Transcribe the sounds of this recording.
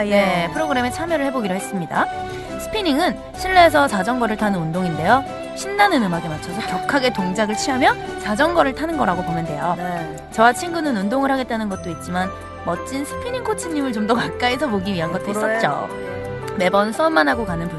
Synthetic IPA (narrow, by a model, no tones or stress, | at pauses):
ne̞pʰɯɾoɡɯɾe̞me̞t͡ɕʰamjʌɾɯɭhe̞boɡiɾohɦe̞s͈ɯmɲida̰ | sʰɯ̥pʰiniŋɯn | ɕʰiɭːeːs̬ʰʌsad͡ʑʌŋɡʌɾɯɭtʰanɯnundoŋinde̞jo | ɕʰinːanɯnɯmaɡemat͡ɕʰasʰokjʌkʰaɡe̞toŋd͡ʑaɡɯɭt͡ɕʰiɦamjʌt͡ɕad͡ʑʌŋɡʌɾɯɭtʰanɯnɡʌɾaɡopomjʌnde̞jo | t͡ɕʌwat͡ɕʰinɡunɯnundoŋɯɭhaɡe̞t̚t͈anɯnɡʌt̚t͈oit̚t͡ɕ͈iman | mʌt͡ɕ͈insʰɯ̥pʰiɲiŋkʰot͡ɕʰiɲɲimɯɭt͡ɕomdʌkak̚k͈aisʰʌmoɡiɥiɦanɡʌt͈̚ois͈ʌt̚t͡ɕ͈o̰ | me̞bʌnsʰuʌmːanɦaɡokanɯnpu